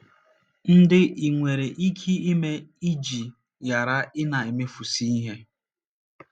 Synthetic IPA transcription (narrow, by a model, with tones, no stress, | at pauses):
n̩˦dɪ˦ʔi˨ŋʷe˨ɾe˨ʔi˦kʰi˦i˦me˦i˦d͡ʒi˨ | ja˨ɾa˦ɪ˦na˨e˨me˦fu˨si˦i˦ɦe˦